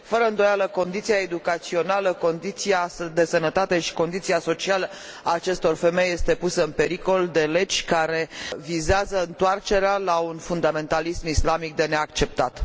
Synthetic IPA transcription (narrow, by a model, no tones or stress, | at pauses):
fəɾəɨnd̪ojaləko̞nd̪it̪sijaed̪ukat̪sio̞naləko̞nd̪it̪sijasəd̪e̞sənət̪at̪e̞ʃi̥ko̞nd̪it̪siaso̞t͡ʃialə | aːt͡ʃe̞st̪o̞rfe̞me̞jːe̞st̪e̞pusəɨnpe̞ɾiko̞ld̪e̞le̞d͡ʒʲkaɾe̞vizeazəɨnt̪oart͡ʃe̞ɾealaunfund̪ame̞nt̪alismislamik̚d̪e̞ne̞akt͡ʃe̞p̚t̪at̪